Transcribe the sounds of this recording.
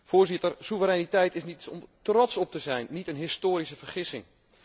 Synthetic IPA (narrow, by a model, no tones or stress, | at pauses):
foːrzɪtərsuvəɾɛnitɛjtɪsnitɔmtrɔtsɔp̚təzɛjnːitənɦɪstoːɾisəvərχɪsɪŋ